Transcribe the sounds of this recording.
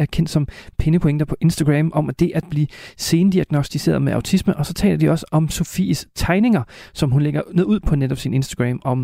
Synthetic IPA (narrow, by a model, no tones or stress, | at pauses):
æɐkʰen̰d̥sɒ̽mpʰe̝nəpʰo̝eŋd̥ɐpʰɒ̽ʔe̝nsd̥æɡ̥ʁɛmʔɒ̽mæd̥e̝ʔæd̥̚b̥liːse̝ːnd̥iæɡ̥no̝sd̥ise̝̰ːɐðˠmeʔɑ̈ʊt͡sʰisməʔɒ̽sɒ̽t͡sʰɛ̰ːlɐdiɒ̽səʔɒ̽mso̝fḭːst͡sʰɑ̈ɪne̝ŋɐsɒ̽mɦunleɡ̥ɐneðˠuð̞̰ˠpʰɒ̽neɾɒ̽b̥sine̝nsd̥æɡ̥ʁɛ̰ːmɒ̽m